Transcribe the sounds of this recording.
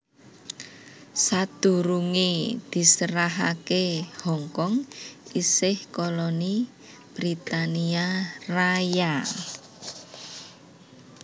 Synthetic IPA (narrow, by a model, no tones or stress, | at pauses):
sad̪̥ṳɾuŋid̪̥i̤səɾaɦakehɔŋkɔŋisɪhkɔlɔni | b̥ɾit̪aniaraja